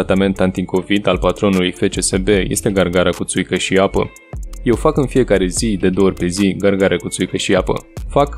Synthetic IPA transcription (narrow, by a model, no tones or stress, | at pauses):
t̪ame̞nt̪ant̪iko̞vid̪alpat̪ɾo̞nulujfe̞t͡ʃe̞se̞be̞jest̪e̞ɡarɡaɾakut̪sujkəʃiapə̰ | je̞wfakɨnfije̞kaɾe̞zid̪e̞d̪oorʲpe̞ziɡarɡaɾeakut̪sujkəʃiapə̰fak